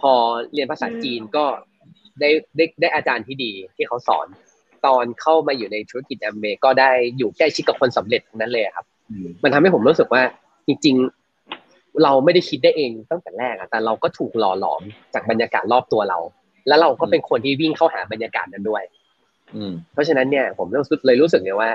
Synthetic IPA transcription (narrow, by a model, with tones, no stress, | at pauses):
pʰɔː˧li˧ənpʰaː˧sa̰ː˩˦t͡ɕiː˧nkɔː˥˩ | daː˥˩jdaː˥˩jdaː˥˩jʔaː˧t͡ɕaː˧nt̪ʰiː˥˩diː˧t̪ʰiː˥˩kʰa˦˥wsɔ̰ː˩˦n | t̪ɔː˧nkʰa˥˩wmaː˧juː˨˩na˧jt̪ʰu˧˥a˦˥ki˨˩t̪̚ʔɛ˧mːeː˧kɔː˥˩daː˥˩jːuː˨˩kɛː˥˩kʰi˦˥t̚ka˨˩kʰo˧nsa˩˦mɾe˨˩t̪ːʰu˧na˦˥lɤː˧jʔa˨˩kʰa˦˥p̚ | ma˧nt̪ʰa˧mha˥˩pʰo˩˦ɾuː˦˥sɯ˨˩k̚waː˥˩ | t͡ɕi˧ŋt͡ɕi˧ŋ | ɾa˧wma˥˩jda˥˩jkʰi˦t̪̚daː˥˩jʔeː˧ŋt̪ɔ˥˩ŋt̪kɛ˨˩lɛː˥˩k̚ʔa̰˨˩t̪ɛː˨˩ɾa˧wkɔː˥˩t̪ʰuː˨˩k̚lɔː˧lɔ̰ː˩˦mt͡ɕaː˨˩k̚ba˧njaː˧ka̰ː˨˩t̪̚lɔː˥˩p̚t̪u˧ɐɾa̰˧w | lɛ˦˥wɾa˧wkɔː˥˩pe˧nkʰo˧nt̪ʰiː˥˩wi˥˩ŋkʰa˥˩wɦa̰ː˩˦ba˧njaː˧ka̰ː˨˩t̪̚na˧ndu˥˩əj | pʰɔ˦˥t͡ɕʰa˧na˦˥nːi˥˩ɐpʰo˩˦mɾ̚lɤː˧jɾuː˦˥sɯ˨˩k̚lːwaː˥˩